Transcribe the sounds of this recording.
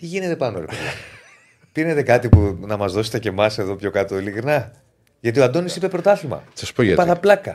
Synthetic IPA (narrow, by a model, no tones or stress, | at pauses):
t̪iʝine̞t̪e̞pɐnoɾee | pine̞t̪e̞kɐt̪ipunɐmɐzðo̞se̥t̪ece̞mɐse̞ðo̞pço̞kɐt̪oilikɾinɐ | ʝɐt̪ioɐd̪o̞nisipepɾo̞t̪ɐθimɐ̰sɐspojɐ̰tpɐθɐplɐkɐ